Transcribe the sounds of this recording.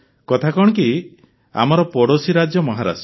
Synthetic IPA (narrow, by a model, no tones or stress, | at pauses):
kɔt̪ʰakɔɽ̃ki | a̰mɔɾɔpɔɽosiɾad͡ʒjɔmɔɦaɾa̰s